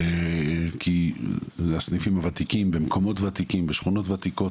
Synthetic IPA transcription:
kʰi | asnifimavat̪ikimbemkʰo̞mo̞tvat̪ikimbeʃχuno̞tvat̪iko̞

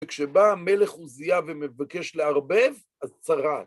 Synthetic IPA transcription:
kʃebame̞leχuzijavemevake̞ʃleaʁbev | azt͡saʁat

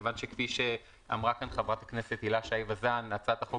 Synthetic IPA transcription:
vanʃekfiʃe | a̰mʁakanχavʁat̪akneset̪hilaʃaivazanːat͡sat̪aχo

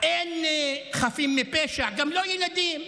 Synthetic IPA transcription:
ʔenχafimːipeʃaɡamlojɛlad̪im

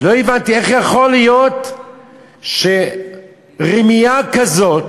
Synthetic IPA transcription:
loevant̪ieχjaχolijot̪ | ʃe | ʁimijakazot̪

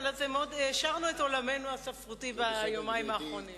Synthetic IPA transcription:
lazemeod̪ʃaʁnueto̞lame̞nuasafʁutibajomaimaːχʁo̞nim

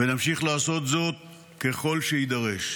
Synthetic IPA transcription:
venamʃiχlaːso̞t̪zo̞t̪̚ | ke̞χo̞lʃeid̪aʁeʃ

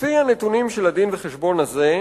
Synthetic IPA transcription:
fianet̪unimʃelad̪inveχeʃbo̞naze̞

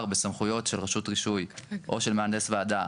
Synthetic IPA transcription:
ʁbesamχujo̞tʃe̞lʁaʃutʁiʃujʔo̞ʃe̞lmeandesvead̪a

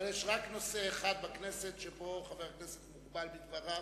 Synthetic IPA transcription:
aljeʃʁakno̞seːχad̪̚bakneset̪ʃepo̞χaveʁkneset̪muɡbalbid̪vaʁa

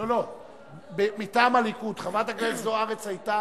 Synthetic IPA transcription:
lolo̞ | bemitaːmalikut̪χavat̪aɡlelzoaʁet͡sajt̪a

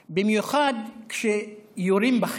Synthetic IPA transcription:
bimjuχad̪kʃejoɾimbaχ

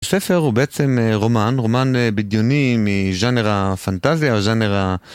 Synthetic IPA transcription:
sefe̞ʁhubeʔet͡semeʁo̞manʁo̞manebid̪jonimiʒaneʁafant̪azjaeʒaneʁa

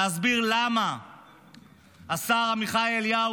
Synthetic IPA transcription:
azbiʁlama | asaʁamiχaelja

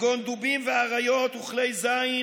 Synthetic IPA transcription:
ɡond̪ubimveaʁajo̞t̪uχle̞jzai

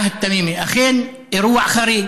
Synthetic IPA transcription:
ht̪ːamiːmiʔaxeːn | ʔiɾuːaʕxaɾiː

